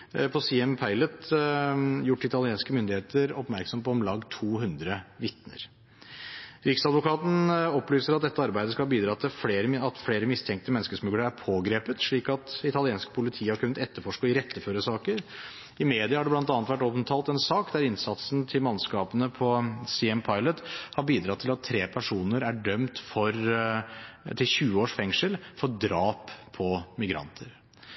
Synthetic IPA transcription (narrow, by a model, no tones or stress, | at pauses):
pʰɔsiːɛmpʰæɪlət̪ | jʊʈːɪt̪ɑlɪeːnskəmʏnd̪ɪeːt̪əɾɔpmæɾksɔmpɔɔmlɑːɡt̪ʰuːɦʉnd̪ɾəʋɪt̪nə̰ɾ | ɾɪksɑd̪ʋʊkɑːt̪n̩ɔplyːsəɾɑt̪̚d̪ɛt̪ːəɑɾbæɪd̪əskɑbiːd̪ɾɑːt̪ʰɪlfleːɾəɑt̪fleːɾəmɪst̪ʰɛŋk̚t̪əmɛnːəskəʂmʉɡləɾæɾpʰoːɡɾeːpət̪ʂɭiːkɑt̪ɪt̪ɑlɪeːnskpʰʊlɪt̪ʰiːəhɑɾkʰʉnːət̪ɛt̪ːəɾfɔʂkəɪɾɛt̪ːəføːɾəsɑːkəɾ | ɪmeːd̪ɪɑhɑɖɛblɑnt̪̬ɑnət̪ʋæʈɔp̪t̪ʰɑːlt̪ɛnsɑːkd̪æɾɪnsɑt̪sn̩t̪ʰɪlmɑnskɑːpənəpʰɔsɪɛmpʰɑɪlət̪hɑɾbiːd̪ɾɑt̪ʰɪlɑt̪ʰːɾeːpʰæʂuːnəɾæɖœmt̪fɔɾ | t̪ʰɪlçʉːəoːʂfɛŋʂəlfɔd̪ɾɑːpʰːɔmɪɡɾɑ̰nt̪ʰəɾ